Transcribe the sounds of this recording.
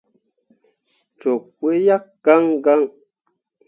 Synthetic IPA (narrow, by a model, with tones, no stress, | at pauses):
t͡ʃo˨kːe˦ja˦k̚ɡ̥a˦ŋɡa˦ŋ